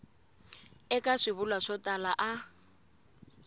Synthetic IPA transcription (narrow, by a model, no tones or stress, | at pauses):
ɛkaʂiβulwaʂɔtalaʔa